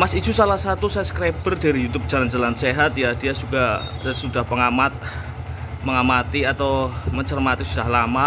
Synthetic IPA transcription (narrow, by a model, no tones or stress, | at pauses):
masit͡ʃusalahsat̪usajasə̥kɾab̥ərdaɾijut̪ʊp̚d͡ʒ̥aland͡ʒalanseɦat̪̚jad̥ijasuɡ̥ahsud̥ahpəŋamat̪̚ | məŋamat̪iat̪awməɲt͡ʃərmat̪isud̥ahlama